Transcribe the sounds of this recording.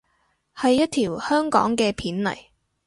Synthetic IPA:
hɐ˨jːɐ˥t̚t̪ʰiː˨˩whœː˥ŋkɔ̰ː˨˥ŋkɛː˧pʰiː˨˥nlɐ̰˨˩j

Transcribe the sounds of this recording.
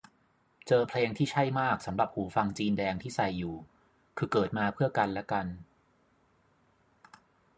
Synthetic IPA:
t͡ɕɤː˧pʰleː˧ŋt̪ʰiː˥˩t͡ɕʰa˥˩jmaː˥˩k̚sa˩˦mɾa˨˩p̚huː˩˦fa˧ŋt͡ɕiː˧ndɛː˧ŋt̪ʰiː˥˩sa˨˩jːuː˨˩ | kʰɯː˧kɤː˨˩t̪̚maː˧pʰɯ˥˩ɐka˧nlɛ˦˥ka˧n

